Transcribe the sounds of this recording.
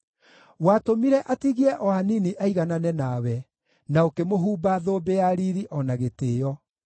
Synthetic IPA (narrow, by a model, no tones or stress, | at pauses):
watomiɾɛʔatiɣiɛʔɔaniniʔaiɣananɛnawɛ | naokemoɦuːbaðoːbeaɾiɾiʔɔnaɣeteːjɔ